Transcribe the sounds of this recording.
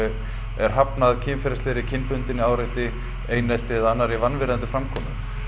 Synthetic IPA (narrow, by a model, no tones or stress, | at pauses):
ɛɾ̥ɦapnaðcʰɪːmfɛɾasɛːɾɪcʰɪnpʏnt̪ɪnːɪaːwɾejht̪ɪ | eːjnɛl̥t̪ɪðanːaɾivanvɪɾant̪ʏfɾamkʰɔːmʏ